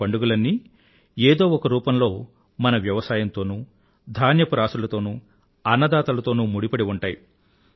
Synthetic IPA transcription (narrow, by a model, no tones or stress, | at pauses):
ɐɳɖuɡulɐnːi | eːd̪o̞ːɔkɐɾuːpɐmlo̞ː | mɐnɐʋjɐʋɐsaːjɐnt̪o̞ːnuː | d̪ʱaːnjɐpuɾaːsulɐt̪o̞ːnuː | ɐnːɐd̪aːt̪ɐlɐt̪o̞ːnuːmuɽipɐɽiuɳʈaːji